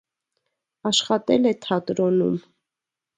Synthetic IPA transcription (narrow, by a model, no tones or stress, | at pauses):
ɑʃχɑt̪ɛlɛt̪ʰɑt̪ɾɔnṵm